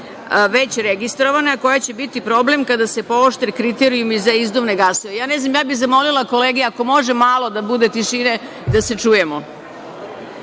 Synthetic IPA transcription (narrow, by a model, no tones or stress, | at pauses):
ʋet͡ɕɾeɡist̪ɾoʋanaako̞jat͡ɕebit̪ipɾo̞blemkad̪ase̞pooʃt̪ɾekɾit̪eɾijumizaizd̪oʋneɡasoejaːneznamjaːbiɣzamo̞lilako̞leːɡeako̞mo̞ʒemaːlˠo̞d̪abud̪e̞t̪iʃine | d̪aset͡ʂuːjemo